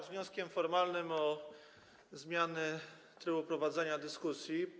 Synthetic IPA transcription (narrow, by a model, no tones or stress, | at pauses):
vɲɔskʲɛmfɔɾmalnɘmɔ | zmʲjanɛ | t̪ɾɘbupɾɔvad̪zɛɲad̪ɘskusʲji